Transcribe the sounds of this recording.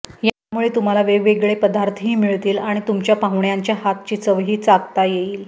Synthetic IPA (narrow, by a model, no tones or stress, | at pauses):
jamuɭet̪um̤alaʋeʋeɡɭepəd̪aɾt̪ʰəɦiːmiɭt̪iːlaɽ̃it̪umt͡ɕjapaɦʋɳjaɲt͡ɕjaɦat̪t͡ɕiːt͡səʋɦiːt͡saɡt̪ajeiːl